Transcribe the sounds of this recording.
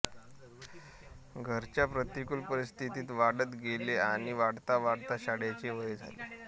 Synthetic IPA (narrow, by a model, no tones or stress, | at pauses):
ɡʱəɾt͡ɕjapɾət̪ikulpəɾist̪ʰit̪iːt̪ʋaɽət̪ɡeleaɽ̃iʋaɽt̪aʋaɽt̪aɕaɽjat͡ɕeʋəd͡zʱa̰lḛ